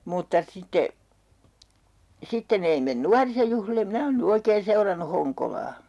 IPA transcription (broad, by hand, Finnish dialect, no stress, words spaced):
mutːɑ sitːe sitːen ei men nuɑrisojuhlilem̆ minæ oːn ny oikeːn̞ seurɑnːu hoŋkolɑː